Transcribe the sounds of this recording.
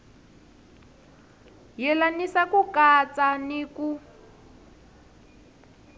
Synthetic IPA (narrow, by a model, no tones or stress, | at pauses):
jɛlanisakukat͡saniku